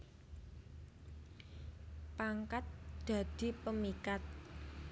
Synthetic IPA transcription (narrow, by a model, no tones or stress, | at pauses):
paŋkat̪̚d̪̥a̤d̪̥i̤pəmikat̪̚